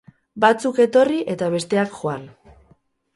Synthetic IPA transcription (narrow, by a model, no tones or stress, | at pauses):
bat͡suke̞t̪o̞riʔe̞t̪aβ̞e̞st̪e̞akxoan